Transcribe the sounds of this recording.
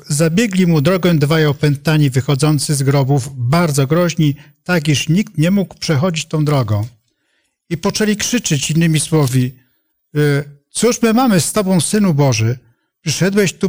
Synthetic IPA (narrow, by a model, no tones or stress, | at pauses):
zabʲjɛɡlʲimud̪ɾɔɡɛ̃d̪vajɔpɛnt̪aɲivɘxɔd̪zɔnt̪sɘzɡɾɔbuvbaɾd̪zɔɡɾɔʑɲit̪ak̬iʂɲikt̪ɲɛmuɡpʂɛxɔd͡ʑit͡ɕt̪ɔ̃w̃d̪ɾɔɡɔ̃w̃ | ipɔt͡ʂɛlʲikʂɘt͡ʂɘt͡ɕinːɘmʲiswɔvʲi | t̪suʂmɘmamɘst̪ɔbɔ̃w̃sɘnubɔʐɘ | pʂɘʂɛd̪wɛɕt̪u